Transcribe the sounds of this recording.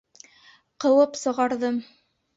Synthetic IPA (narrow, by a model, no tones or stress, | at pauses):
qɤ̆wɤpsɤ̆ʁɑɾðɤm